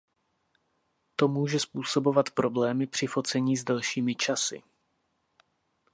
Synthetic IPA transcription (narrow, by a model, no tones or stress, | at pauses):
t̪o̞muːʒɛspuːso̞bo̞vat̪pɾo̞blɛːmɪpr̝̥ɪfo̞t͡sɛɲiːzdɛlʃiːmɪt͡ʃasɪ̰